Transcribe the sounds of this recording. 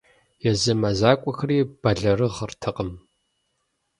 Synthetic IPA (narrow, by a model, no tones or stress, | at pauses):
jɛzɐmɐzaːkʷʼɔxɐɾiːb̥ɐɮɐrɨʁərtʰɐqʼəm